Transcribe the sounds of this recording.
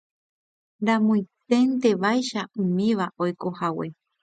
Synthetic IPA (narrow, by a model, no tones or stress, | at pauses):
ɾãmõj̃t̪e̞nt̪e̞ʋajʃaũmĩʋaʔojko̞hawe̞̰